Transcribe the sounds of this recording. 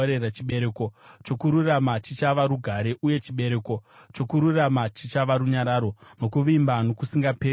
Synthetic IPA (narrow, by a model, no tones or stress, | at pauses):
ɾerat͡ʃiɓeɾeko̞t͡ʃo̞kuɾuramat͡ʃit͡ʃaʋaɾuɡʱaɾe̞ʔuje̞t͡ʃiɓe̞ɾe̞ko̞t͡ʃo̞kuɾuramat͡ʃit͡ʃaʋaɾuɲaɾaɾo̞no̞kuʋimbano̞kusiŋɡapeː